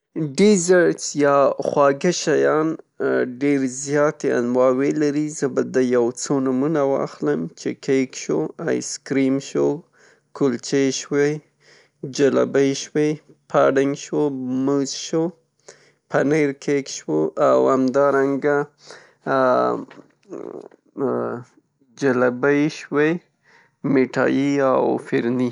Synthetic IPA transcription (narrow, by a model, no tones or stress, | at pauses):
ɖizaɾsjɑxwɑɡaʃajɑn | ɖeɾzjɑt̪ea̰nwɑwelaɾizəbad̪əjawt͡sonʊmunawɑ̰xləmt͡ʃekʰekʃoa̰jskɾimʃo | kʊlt͡ʃeʃwe | d͡ʒala̰bəjʃwe | pʰaɖɪŋɡʃwomuzʃo | panəjɾkʰekʃwoʔawamd̪ɑɾaŋɡa | d͡ʒalabəjʃwe | meʈɑ̰jiawfɪɾni